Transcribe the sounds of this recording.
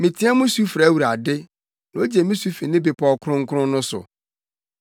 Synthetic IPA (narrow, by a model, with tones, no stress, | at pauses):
mɪ̃˨tʰĩ˦a˦mʊ̃˦su˦fɾa˨˦wu˨ɾa˨dɪ˦ | nã˨o˦d͡ʑe˨mɪ̃˦su˦fi˨nɪ̃˦bɪ˨pʰɔ˨kʰɾʊ̃˦ŋ̩˦kʰʊ˦ɾʊ̃˦nʊ̃˦sʊ̰˨